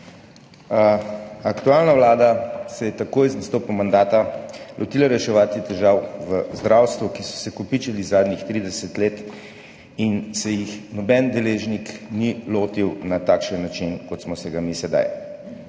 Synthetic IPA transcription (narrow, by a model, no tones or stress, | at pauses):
akt̪ualnaʋlaːd̪asɛjɛt̪akoːjznast̪oːpumand̪aːt̪alʔɔt̪iːlaɾɛʃɛʋaːt̪it̪ɛʒawʋəzd̪ɾawst̪ʋukisɔ̥sɛkɔpit͡ʃɛlizaːd̪nixt̪ɾiːd̪ɛsɛt̪leːt̪ | insɛjixnɔbɛnd̪ɛleːʒnikniloːt̪iwnat̪aːkʃənːat͡ʃinkɔt̪smɔsɛɡamisɛd̪a̰j